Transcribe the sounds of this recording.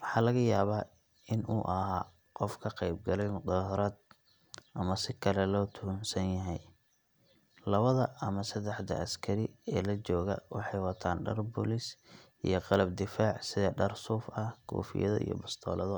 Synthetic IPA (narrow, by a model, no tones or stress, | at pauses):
wɑħɑːlɐɣɐjaːβaː | ɪnʔuːʔɐɦaː | qɔfkʰɐqɛjb̚ɡɐlɛjmʊd̪ɐːɦɾɐːd̪̚ | ʔɐmɐsɪkʰɐlɛlɔːt̪ʰʊnsɐnjɐɦɛj | lɐβɐðɐɐmɐsɐd̪ɛħd̪ɐ̰ʔɐskʰɐɾɪɛːlɐt͡ʃɔːɣɐ̰wɑ̰ħɑjwɑt̪ʰaːnɖɐrbʊ̰lɪsʔḭjɞqɑlɐbd̪ɪfaːʕsɪðɐɖɐrsuːfɐhkʰṵːfɪ̰jɐðɐ̰ḭjɔ̰bɐst̪ʰɔ̰ːlɐðɔ